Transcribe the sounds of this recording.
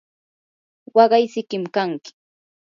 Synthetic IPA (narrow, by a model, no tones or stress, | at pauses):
wɑɢɑjsɪkɪmkaŋkɪ̥